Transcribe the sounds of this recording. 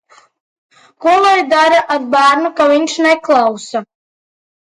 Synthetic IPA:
kulˠajd̪aɾaʔad̪̚baːɾnukaviɲʲʃnɛklˠawsa

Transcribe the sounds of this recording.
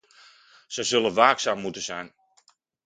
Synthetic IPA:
z̥əzɵlənʋaːksaːmːutəzɛjn

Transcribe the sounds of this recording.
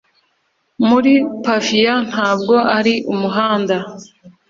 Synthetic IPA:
muɾipafijan̥haːb̚ɡo̞ʔaɾiʔumuɦaːnda

